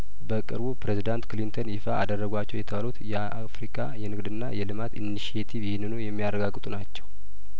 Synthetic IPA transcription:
bəkʼɨɾbupɾezid̪ant̪klint̪ʰonjɪfaʔad̪ərːəɡʷat͡ʃːɛwjɛt̪ʰəβalut̪jɛʔafɾikʼajɛnɨɡd̪ɨnːajɛlɨmat̪ḭnːiʃiet̪ʰivjɪhnːɨnujɛmːijarəɡaɡːɨt̪ʼunat͡ʃːɛ̥w

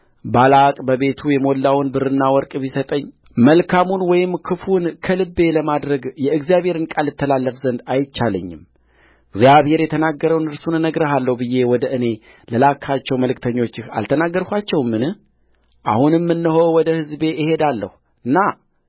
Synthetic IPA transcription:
balakʼbəβe̞t̪ʰujɛmolːawnbɨɾɨnːawɔɾkʼβisət̪ʼəɲː | məlkʰamunwɔjɪmːkʰɨfunkʰəlɨbːe̞ləmad̪ɾəɡjɛɨɡzijaβhe̞ɾɨnkʼalːɨt̪ʰːəlalːəfzənd̪ajɪt͡ʃːalə̰ɲːɪ̰m | ɨɡzijaβhe̞ɾjɛt̪ʰənaɡːəɾəwnɨɾsunnəɡɾəɦalːəhbɨje̞wɔd̪əʔɨne̞ | ləlakʰat͡ʃːɛwməlɨkt̪ʰəɲːo̞t͡ʃːɪha̰lt̪ʰənaɡːəɾkʷat͡ʃːɛwmːɨnɨh | ʔa̰hunɨmːɨnːəɦo̞wɔd̪əhɨzbe̞ʔɪhe̞d̪alːə̰hu | ɨnːa

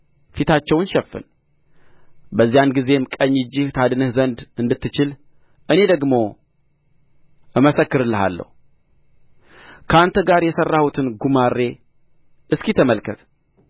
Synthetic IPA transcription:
fit̪ʰat͡ʃːɛwnʃɛfːɨ̰n | bəzːijanɡize̞mkʼəɲːɨd͡ʒːɪht̪ʰad̪ɨnɨhzənd̪ɨnd̪ɨt̪ːɨt͡ʃɪl | ʔɨne̞d̪əɡmo̞ | ɨməsəkːɨɾɨlːəɦa̰lːə̰hu | kʰəant̪ʰəɡaɾjɛsərːahut̪ʰɨnɡumarːe̞ | ʔɨskit̪ʰəməlkʰət̪

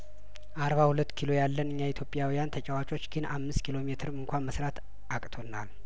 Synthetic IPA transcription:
ʔaɾβahulət̪ːkʰilo̞jalːənɨɲːait̪ʰjo̞pʼjawijant̪ʰət͡ʃʼɛwat͡ʃʼo̞t͡ʃːɡɨnamːɨst̪kʰilo̞met̪ʰɨɾɨŋkʷanməsɾat̪ | ʔakʼt̪ʰo̞nal

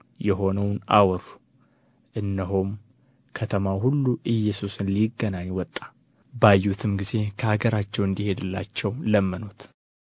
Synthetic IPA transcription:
jɛɦo̞nəwna̰wɾu̥ | ʔɨnːəɦom | kʰət̪ʰəmaɦulːuʔɨjːɛsusɨnliɡənaɲːwɔt̪ʼːḁ | bajːut̪ʰɨmɡize̞kʰəhaɡəɾat͡ʃːɛwɨnd̪ihe̞d̪ɨlːat͡ʃːɛwləmːənut̪

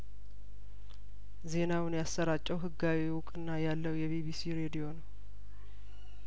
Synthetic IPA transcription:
ze̞nawʊnjasːəɾat͡ʃʼːəwɦɨɡːawiwʊkʼɨnːajalːəwjɛβiβisiɾe̞d̪ijo̞nəw

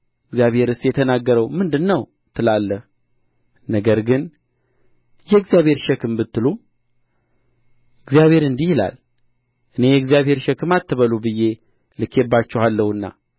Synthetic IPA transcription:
ɨɡzjaβhe̞ɾɨst̪jɛt̪ʰənaɡːəɾəwmɨnd̪ɨnːəw | t̪ʰɨlalːəh | nəɡəɾɡɨn | jɛɡzijaβhe̞ɾʃɛkɨmbɨt̪ːɨlu | ɨɡzijaβhe̞ɾɨnd̪ihila̰l | ʔɨne̞jɛɡzijaβhe̞ɾʃɛkɨmat̪ːɨβəlubɨje̞ | lɨkʰːebːat͡ʃːɛhalːəwɨnːa̰

